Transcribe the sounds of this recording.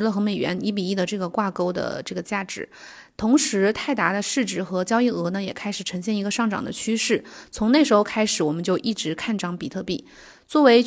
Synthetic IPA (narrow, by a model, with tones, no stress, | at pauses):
lə˧˩xɤ˧˥me˨˩ɪɥɛ̰˧˥ni˧˥p̬i˨˩i˥˩d̪ə˩ʈ͡ʂɤ˥˩ɡə˩kwa˥˩ko˥ʊd̪ə̰˧˩ʈ͡ʂɤ˥˩ɡə˩t͡ɕja˥˩ʈ͡ʂɻ̩˨˩˥ | t̪ʰʊ˧˥ŋʂɻ̩˧˥t̪ʰa˥˩ɪt̪a˧˥d̪ə˧ʂɻ̩˥˧ʈ͡ʂɻ̩˨˩xɤ˧˥t͡ɕjɑ˥ʊi˥˩ɤ˧˥nə˧jɛ˨˩kʰa˥ɪʂɻ̩˨˩ʈ͡ʂʰɤ˧˥ŋɕ̬jɛ˥˩ni˧˥ɡə˧ʂɑ˥˩ŋʈ͡ʂɑ̰˨˩ŋd̪ə̰˦t͡ɕʰy˥ʂɻ̩˥˩t͡sʰʊ˧˥ŋne˥˩ɪʂ̬ɻxo˧ʊkʰa˥ɪʂɻ̩˨˥wɔ˨˩mə˦nt͡ɕjo˥˧ʊʔi˥˩ʈ͡ʂɻ̩˧˥kʰa˥˩nʈ͡ʂɑ˧˥ŋpi˨˩t̪ʰɤ˥˧pi˥˩ | t͡swɔ˥˩we˧˥ɪ